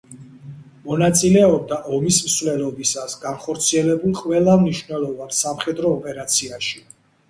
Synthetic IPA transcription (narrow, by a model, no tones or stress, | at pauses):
mɔnat̪sʼilɛɔb̚d̪aʔɔmismsvlɛlɔbisasɡanχɔɾt̪sʰiɛlɛbulˠqʼvɛlˠamniʃwvnɛlˠɔvansamχɛd̪ɾɔːpʼɛɾat̪sʰiaʃi